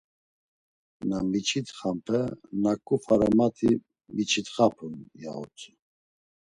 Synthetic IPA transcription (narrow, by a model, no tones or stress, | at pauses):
namit͡ʃʰit̪χampʰɛnakʼufaɾamat̪ʰi | mit͡ʃʰit̪χapʰunja̰ɔ̰t͡sʼu